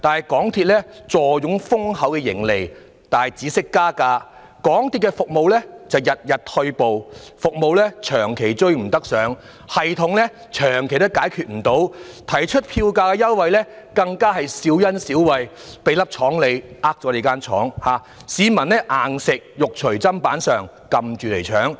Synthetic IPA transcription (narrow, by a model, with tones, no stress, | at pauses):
t̪aː˨nhɐ˨jkɔː˨˥ŋt̪ʰiː˧t̚lɛː˥t͡sɔː˨jʊ˨˥ŋfʊ˥ŋhɐ˨˥wkɛ˧jɪ̰˨˩ŋle˨˩j | t̪aː˨nɐ˨jt͡siː˨˥sɪ˥kːaː˥kaː˧ | kɔː˨˥ŋt̪ʰiː˧t̚kːɛ˧fʊ˨k̚mo˨wlɛː˥t͡sɐ˨wjɐ˨t̚jɐ˨t̚t̪ʰɵ˧ɥpo˨wfʊ˨k̚mo˨˧wlɛ˥t͡ʃʰœː˨˩ŋkʰe˨˩jt͡sɵ˧ɥm̩˨˩t̪ɐ˥k̚sœː˨˧ŋ | hɐ˨jt̪ʰʊ˨˥ŋlɛ˥ | t͡ʃʰœː˨˩ŋkʰe˨˩jt̪ɐ˥kːaː˨˥jkʰyː˨t̚m̩˨˩t̪o˨˥wt̪ʰɐ˨˩jt͡ʃʰɵ˥t̚pʰiː˧wkaː˧kɛ˧jɐ˥wwɐ˨jlɛː˥kɐ˧ŋkaː˥ɦɐ˨jsiː˨˥wjɐ˥nsiː˨˥wwɐ˨jpe˨˧jlɐ˥p̚t͡ʃʰɔː˨˥ŋle˨˧jʔaː˥k̚t͡sɔː˨˥le˨˧kaː˥nt͡ʃʰɔ̰ː˨˥ŋhaː˨˧ | siː˨˧mɐ˨˩nlɛ˥ʔaː˨ŋsɪ˨k̚jʊ˨k̚t͡ʃʰɵ˨˩ɥt͡sɐ˥mpaː˨˥nsœː˨ŋ | kɐ˨mt͡ʃyː˨˩le˨˩jt͡ʃʰœː˨˥ŋ